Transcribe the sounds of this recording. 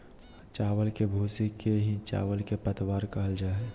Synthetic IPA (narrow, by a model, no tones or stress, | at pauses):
t͡ʃaːwəlkebʱuːsikeɦit͡ʃa̰ːʋəlkepət̪waːɾkɐɦəld͡ʒaː